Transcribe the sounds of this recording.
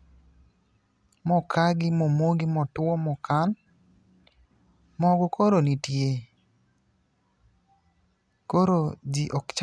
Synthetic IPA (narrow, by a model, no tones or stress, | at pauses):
mɔkʰaɡɪmɔmoɡimɔtʊɔmɔkan | mɔɡɔkoɾonitje | koɾod͡ʒiʔɔkt͡ʃ